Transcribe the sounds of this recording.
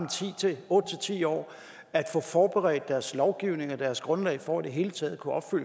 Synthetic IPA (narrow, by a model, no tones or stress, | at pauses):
mt͡sʰḭeɔ̽ːd̥ət͡sʰe̝t͡sʰḭːɒ̰ː | æd̥fɔ̰̽ːfɒːb̥eʁɛ̰ːd̥̚ːæɐslɒʊɡ̥iʊne̝ŋɒd̥æɐsɡ̥ʁɔ̽nlɛ̰ɪfɒæd̥e̝ɦe̝ːlət͡sʰɛːð̩ˠkʰuɒ̽b̥fyl̰